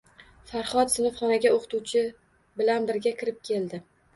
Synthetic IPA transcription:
faɾχɒt̪sɪnɨfχɒnaɡʲaoqʰɨ̥t̪uwt͡ʃʰɪ | bɪlanbɪɾɡʲakʲʰɪɾɪp̚kʲʰe̞ld̪ɪ

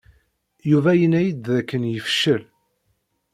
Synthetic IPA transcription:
juvæjənːæjid̪ðækːənjəfʃəl

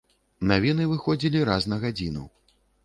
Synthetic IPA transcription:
navʲinɨvɨxɔd͡zʲilʲiɾasnɐɣad͡zʲinṵ

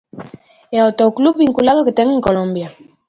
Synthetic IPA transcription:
eot̪okluββiŋkulað̞oket̪ɛŋẽŋkolõmbja

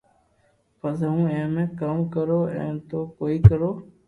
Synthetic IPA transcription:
fəzũːẽːmẽːkamkəɾoːɛ̰̃ːt̪oːkoːiːkəɾoː

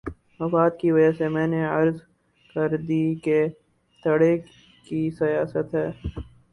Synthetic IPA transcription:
mɐfaːt̪̚kiʋɐd͡ʒəsemɛ̃ːneɐɾz | kɐɾd̪ike | t̪ʰɐɽe | kisɐjaːsət̪ɦɛː

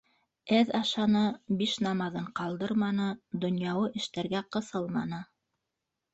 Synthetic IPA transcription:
æðɑʃɑnɤbiʃnɑmɑðɤɴqɑlˠd̪ɤɾmɑnɤd̪ŏnjɑwˠɤʔɘ̆ʃt̪æɾɡæqɤ̆sɤlˠmɑnɤ

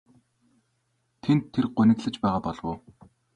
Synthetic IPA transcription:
t̪ʰent̪ʰːerɢʊnɘ̆kɮɘ̆t͡ɕpæːʁaːpɔɮwʊː

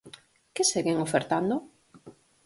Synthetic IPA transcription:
keseɣeŋofeɾt̪and̪o

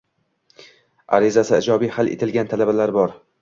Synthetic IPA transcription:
a̰ɾɪzasɪɪd͡ʒɒbijhalʔḛt̪ʰɪlɡʲant̪ʰalabalaɾbɒɾ

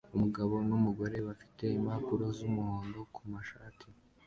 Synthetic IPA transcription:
umuɡaβo̞numuɡo̞ɾe̞βafi̥te̞imapuɾo̞zumuhoːnɡo̞kʰumaʃaːtʰi

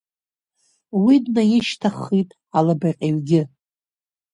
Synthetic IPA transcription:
widnajɪʃtʰaχːitʼ | alabaqʲʼeɥɡʲɪ

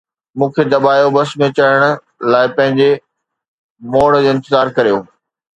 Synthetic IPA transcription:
mũːkʰed̪ɐbaːjobɐsmẽt͡ɕɐɽəɽ̃ʊ̆ | laːɪpɐ̃ɦɪ̃ɲd͡ʑe | moːɽ̃̆d͡ʑoːɪ̃nt̪ɪzaːɾkɐɾijoː

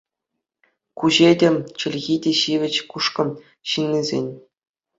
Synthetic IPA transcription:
kuʑedʲĕt͡ɕɘ̆lʲɣʲidʲeɕiʋʲɘ̆t͡ɕkuʂkɤ̆m | ɕɯnʲːizʲḛnʲ

